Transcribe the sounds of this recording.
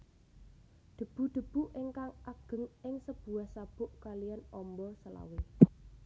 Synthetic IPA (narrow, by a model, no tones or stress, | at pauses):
d̪̥ə̤b̥ṳɖ̪̥ə̤b̥ṳʔeŋkaŋaɡ̥ə̤ŋɪŋsəb̥uwahsab̥ʊʔkalijanɔmbɔsəla̰we